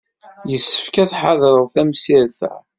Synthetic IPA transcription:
jəsːə̥fkæθħaðɾˤəðˤθæmsiɾθæ̰

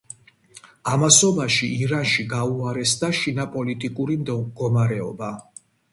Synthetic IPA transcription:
amasɔbaʃiːɾanʃiɡauaɾɛsd̪aʃinapʼɔlit̪ʼikʼuɾimd̪ɡɔmaɾɛɔ̰ba

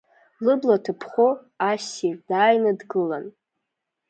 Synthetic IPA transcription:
lɨblatʰɨpʰχo | asid̥aːjnɨdɡɨlan

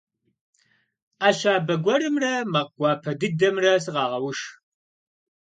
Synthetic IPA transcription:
aːɕaːbɐɡʷɔɾɨmrɐmɐq̚ɡʷɑːpʰɐdɨdɐmrɐsɨʁɑːʁɐwʊʂ

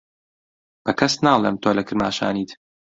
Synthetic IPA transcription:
b̥ɐkʰɐsnaːlˠeːmt̪ʰoːlɐkɨɾma̰ːʃa̰ːniːt̪

